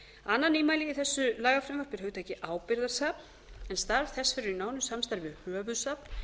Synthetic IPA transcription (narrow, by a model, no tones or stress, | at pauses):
anːaniːmaːjliɣiθɛsːʏlaːɣafɾɪmvaɾ̥pɪɾ̥hʏt̪ʰajcɪʔaːwpɪɾðḁsaːpn̥ | ɛnst̪aɾv̥θɛsfɪɾʏɾinaːwnʏsamst̪aɾvɪhœːvʏðsapn